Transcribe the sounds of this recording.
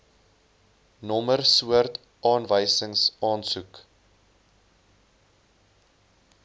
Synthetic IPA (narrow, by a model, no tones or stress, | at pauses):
nɔmərsuərt | ʔɑːnvəjsəŋsɑːnsuk